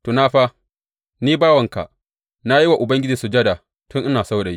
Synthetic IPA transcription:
to˨na˦ɸa˦ | niː˦baː˦wɐ˨ŋka̰˨ | na˦ji˦wa˨ʔʊ˨bɐ˦ŋɡʲɪ˦d͡ʒi˨su˨d͡ʒɐ˦da˨ | tʊ˦ŋʔɪ˦naː˨sa˦wɗa˨ji˦

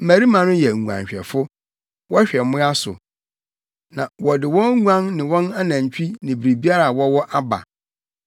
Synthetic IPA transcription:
m̩˨mæ˨ɾi˦mã˨nʊ̃˦jɛ˨ŋ˨ã̰˨ɲ˨ɕᶣɛ̰˨fʊ˦ | wɔ˦ɕᶣɛ˨mʊ̃˦a˦sʊ̰˨ | nã˨wɔ˨dɪ˨wɔ̃˦ŋu˦ã˦nnɪ̃˨wɔ̃˦na˦nã˨ɲ˨t͡ɕᶣi˦nɪ̃˨bɾi˨bi˦a˦ɾa˨wɔ˦wɔ˦ʔa˦ba̰˨

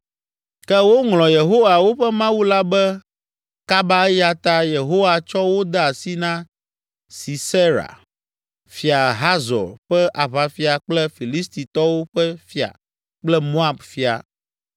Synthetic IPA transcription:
kɛ˦wo˦ŋlɔ̃˨je˨ɦo˦wa˨wo˦ɸɛ˦mã˦wu˦la˦bɛ˦ | ka˦ba˦ja˦t̪a˦je˨ɦo˦wa˨t͡ʃɔ˦wo˦d̪ɛ˦a˨si˦nã˦ | si˨se˦ɾa̰˨ | fi˨a˨ɦa˦zɔ̰˨ɾɸɛ˦ʔa˨βa˨fi˦a˨k͡plɛ˦fi˨li˦st̪i˨t̪ɔ˦wo˦ɸɛ˦fi˦a̰˨ | k͡plɛ˦mo˦a˨bfi˦a̰˨

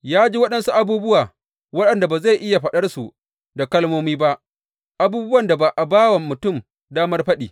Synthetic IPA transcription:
jaː˦d͡ʒiː˦wɐ˦ɗɐ˨nsu˦ʔa˨buː˦bʊ˦waː˨ | wɐ˦ɗɐ˨nda˨baː˨za˦˨jʔɪ˦ja˨ɸɐ˨ɗɐ˦rsu˨ | da˨kɐ˦lmoː˦miː˦ba˦ʔ | ʔa˨buː˦bʊ˦wɐ˨nda˨ba˨ʔa˨baː˦wa˨mːʊ˨tʊ˦˨m | daː˦mɐ˦rɸɐ˦ɗḭː˨

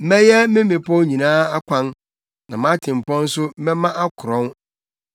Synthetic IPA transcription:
mɛ̃˦jɛ˦mɪ̃˦mɪ̃˨pʰɔ˦ɲĩ˨nãː˦a˦kʷʰã˦n | nã˨mã˦tʰɪ̃˨m˨pɔ̃˦n̩˦sʊ˦mɛ̃˦mã˦ʔa˦kʰʊ˨ɾɔ̃˦n

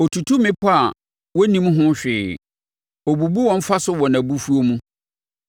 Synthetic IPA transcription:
o˨tʰu˨tʰu˦mɪ̃˦pʰɔ˦a˨ | wɔ˦nĩ˦m̃˦ɦʊ̃˦ɕᶣɪː˨ | o˨bu˨bu˦wɔ̃˦m̩˦fa˦sʊ˦wɔ˨næ̃˨bu˦fu˦o˦mũ˦

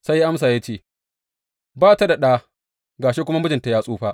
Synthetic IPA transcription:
sa˦jːa˦ʔa˦ms̬aː˨ja˦t͡ʃeː˦˨ | baː˦ta˦da˨ɗaː˦ | ɡaː˨ʃe˦kʷʊ˦ma˦mʊ˦d͡ʒɪ˨nta˨jaː˦sʼuː˦ɸaː˦

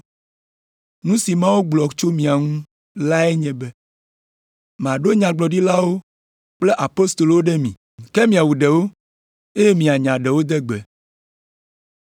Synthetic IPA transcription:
nũ˦si˨mã˦wo˦ɡ͡blɔ˨t͡ʃo˦mĩ˨a˨ŋũ˦ | la˦e˦ɲɛ̃˨bɛ˦ | m˨ã˨ɖo˦ɲã˨ɡ͡blɔ˨ɖi˦la˦wo˦ | k͡ple˦ʔa˨po˦st̪o˨lo˨wo˦ɖɛ˦mĩ˨ | kɛ˦mĩ˨a˨wu˨ɖɛ˨wo˦ | e˦je˦mĩ˨a˨ɲã˨ɖɛ˨wo˦d̪ɛ˦ɡ͡bɛ˨

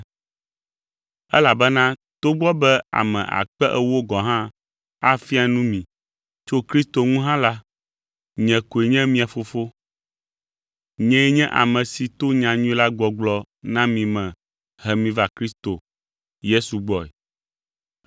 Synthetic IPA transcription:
ɛ˦la˨bɛ˦nã˦t̪o˦ɡ͡bɔ˦bɛ˦a̰˨mɛ̰̃˨ʔa̰˨k͡pɛ˦ʔɛ˦wo˦ɡɔ˨ɦã˦ | a˦fi˦a˨nũ˦mĩ˨ | t͡ʃo˦kɾi˦st̪o˨ŋũ˦ɦã˦la˦ | ɲɛ̃˨ko˨e˨ɲɛ̃˦mĩ˦a˨fo˨fo˦ | ɲɛ̃˦ɛ˦ɲɛ̃˦ʔa̰˨mɛ̃˨si˨t̪o˦ɲã˨ɲũ˦i˦la˦ɡ͡bɔ˨ɡ͡blɔ˦ | nã˦mĩ˨mɛ̃˨ | hɛ˨mĩ˨va˨kɾi˦st̪o˨ | je˦su˨ɡ͡bɔ˦ɛ̰˨

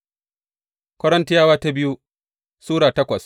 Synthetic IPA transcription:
kʷɐ˦ɽɐ˦ntɪ˦jaː˦waː˦ta˦bɪ˦ju˦ | suː˦ɽaː˨tɐ˦kʷɐ˨s

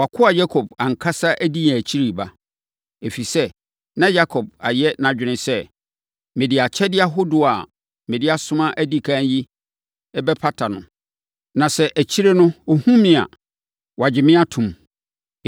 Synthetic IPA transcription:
wa˨kʰʊ˦a˨ja˦kʰo˨b̚a˨ŋ̩˨kʰa˦sa˦ʔæ˦di˦ã˨t͡ɕʰi˦ɾi˨ba˦ | e˨fi˨sɛ˦ | nã˦ja˦kʰɔ˨b̚a˨jɛ˦nã˨d͡ʑᶣɪ˨nɪ̃˨sɛ˦ | mɪ̃˨dɪ˨a˨t͡ɕʰɛ˦dɪ˦a˦ɦo˦dʊ˨a˨ | mɪ̃˨dɪ˦a˦sʊ̃˦mã˦ʔæ˦di˦kʰã˦n˦ji˦ | ɛ˦bɛ˦pʰa˦tʰa˨nʊ̰̃˨ | nã˨sɛ˦ʔæ˨t͡ɕʰi˦ɾe˦nʊ̃˦o˦hũ˦mɪ̃˦a̰˨ | wa˨d͡ʑɪ˨mɪ̃˦a˦tʰʊ̃˨m

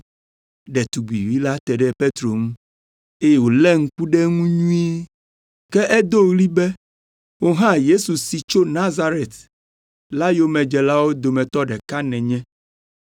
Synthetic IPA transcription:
ɖɛ˨t̪u˨ɡ͡bḭ˨wi˦la˦t̪ɛ˨ɖɛ˦pe˦t̪ɾo˨ŋũ˦ | e˦jɛ˨wo˨lɛ˦ŋ̩˦ku˦ɖɛ˦ŋũ˦ɲũ˦i˦ | kɛ˦ʔɛ˦d̪o˦ɣli˦bɛ˦ | wo˦ɦã˦je˦su˨si˨t͡ʃo˦nã˦za˦ɾe˨t̪ | la˦jo˦mɛ̃˨d͡ʒɛ˨la˦wo˦d̪o˨mɛ̃˨t̪ɔ˦ɖɛ˨ka˦nɛ̃˨ɲɛ̃˦

